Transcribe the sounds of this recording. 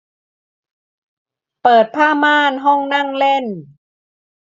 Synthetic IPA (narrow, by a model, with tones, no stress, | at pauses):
pɤː˨˩t̪̚pʰaː˥˩maː˥˩nɦɔ˥˩ŋna˥˩ŋle˥˩n